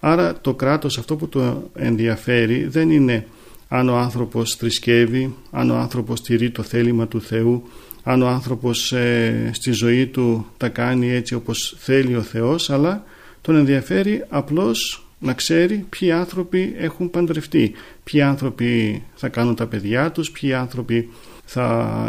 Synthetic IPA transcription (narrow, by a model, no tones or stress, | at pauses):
ɐɾɐt̪o̞kɾɐt̪o̞sɐft̪o̞put̪o̞e̞̰nðiɐfe̞ɾiðe̞nine̞ | ɐno̞ɐnθɾo̞po̞sθɾisce̞viɐ̰noɐnθɾo̞po̞st̪iɾit̪o̞θe̞limɐt̪uθe̞u | ɐnoɐnθɾo̞po̞sst̪izo̞it̪ut̪ɐkɐnie̞t͡sio̞po̞sθe̞lio̞θe̞o̞sɐlɐ | t̪o̞ne̞nðiɐfe̞ɾiɐplo̞s | nɐkse̞ɾipçiɐnθɾo̞pie̞xumpɐnd̪ɾe̞ft̪i | pçiɐnθɾo̞piθɐkɐnunt̪ɐpe̞ðʝɐt̪uspçiɐnθɾo̞pi | θɐ